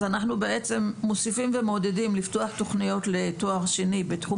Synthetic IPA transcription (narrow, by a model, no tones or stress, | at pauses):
anaχnubeet͡se̞mːosifimve̞mo̞dedimliftoaχto̞χnijo̞tle̞toaʁʃenibetχu